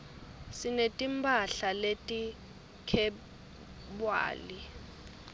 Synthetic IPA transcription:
sinetʼimbʱʼaɬaletʼi | kʰɛ | bwa̰ːli

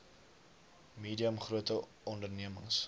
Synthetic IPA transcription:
miːdiəmχruətə | ɔndərniəmə̰ŋs

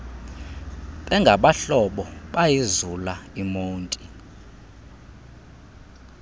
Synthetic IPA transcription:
ɓʼɛŋɡʱaɓaɬɔɓɔɓajizulaimoːntʼi

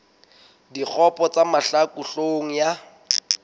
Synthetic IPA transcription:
dik͡xʰɔpɔt͡samaɬakuɬoŋ̩ja

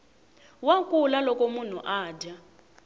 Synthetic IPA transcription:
wakʼulalɔkʼomun̤uʔaːda

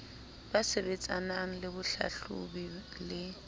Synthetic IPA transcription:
basebet͡sʼanaŋ̩lɪbʊɬa̰ɬṵbilɪ

